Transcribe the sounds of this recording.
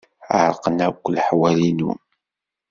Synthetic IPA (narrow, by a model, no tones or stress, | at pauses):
əɾˤqənækʷːlħwælinṵ